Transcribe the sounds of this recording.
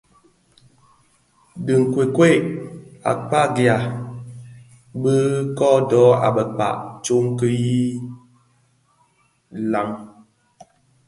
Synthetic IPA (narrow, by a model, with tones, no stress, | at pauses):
də˨ŋ̩˨kwe˨kwe˦˨a̰˨k͡pa˦˨ɡja˨ | bə˦kɔ˦dɔ˨˦a̰˨bə˨k͡pa̰˨ʔt͡ʃo˦ŋ˦kə˦ji˦ | la˨˦ŋ